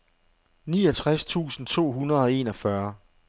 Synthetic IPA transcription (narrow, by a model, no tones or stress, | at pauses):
niːɒt͡sʰʁast͡sʰṵːsn̩t͡sʰo̝̰ːɦunɐð̞̩ˠɒ̽e̝̰ːnɒ̽fɶɐ